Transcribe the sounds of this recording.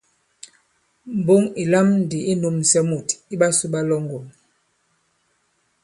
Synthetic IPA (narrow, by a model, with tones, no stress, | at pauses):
m̩˨bo˦ŋi˨la˦mn˨di˨ʔi˦nu˨msɛ˦mu˨ti˦ɓa˦su˦ɓa˦lɔ˦ŋɡo˨m